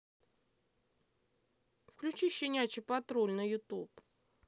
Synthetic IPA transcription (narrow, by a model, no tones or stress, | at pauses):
fklʲʉt͡ɕiɕːɪnʲat͡ɕɪpɐt̪ɾolʲnəjʊt̪up